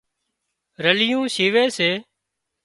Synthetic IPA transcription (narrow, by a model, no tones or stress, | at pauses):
ɾəlɪjũːʃiːʋeːseː